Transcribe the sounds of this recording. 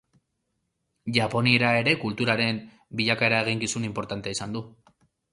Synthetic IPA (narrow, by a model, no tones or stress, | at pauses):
ʝapo̞nieɾae̞ɾe̞kult̪uɾaɾe̞m | biʎakae̞ɾae̞ɣ̞iŋkisunimpo̞ɾt̪ant̪eisand̪u